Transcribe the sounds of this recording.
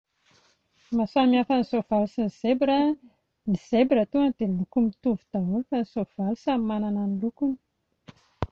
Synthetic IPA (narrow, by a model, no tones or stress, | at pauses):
masamiafanisov̥alusinizebɾə | niz̥ebiɾət̪uand̪̥elukumit̪uvud̪̥aɦufanisov̥alusammanananilukuni̥